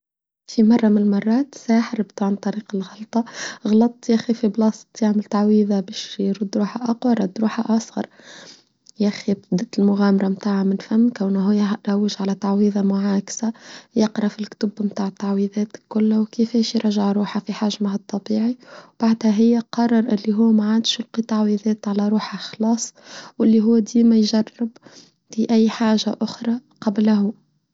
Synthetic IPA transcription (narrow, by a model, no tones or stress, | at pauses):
fimɑrˤːɑmɪnmɑrˤːɑːt̪saːħɪɾbt̪ʕant̪ˤɑɾiːqɪlɣɑlt̪ˤɑɣɑlɑt̪ˤːjæxifiblɑst̪ˤjaʕmɪlt̪aʕwiːðˤabæːʃjɾud̪ːɾuːħaʔɑqwɑɾˤɾˤɑd̪ːɾuːħaʔɑsˤɣɑ̰ɾˤ | jæxibd̪æt̪ɪlmʊɣæːmɑɾˤɑmt̪aːʕamɪnfæmːkawnɦʊjɾawːɪʒʕalæt̪aʕwiːðˤɑmʊʕaːksajɑqɾˤɑfilkt̪ʊbmt̪aːʕt̪ːaʕwiðˤɛːt̪kːʊlːwkɪfɛːʃjɾˤɑʒɪʕɾuːħafiħaʒmahɑt̪ˤːɑbiːʕiwb̥aʕd̪hæɦɪjːæqɑrˤːɑɾˤʔɪlːiɦuːmæʕand̪ʃɪlqit̪ɑʕwiðˤɛːt̪ʕalæɾˤuːħaxlɑːsˤwɪlːiɦʊwːd̪iːmæjʒɑrˤːɪb | fiʔæjːħaːʒa̰ʔʊxɾˤɑqɑblɦu